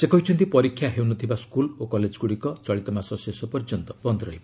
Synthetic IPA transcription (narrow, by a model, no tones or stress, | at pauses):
sekɔɦit͡ʃʰunt̪ipɔɾikʰːjaɦewnɔt̪ʰibaskulokɔled͡ʒɡuɽikɔt͡ʃɔɭit̪ɔmasɔsesɔpɔɾd͡ʒɔnt̪ɔbɔnd̪ɾɔɦib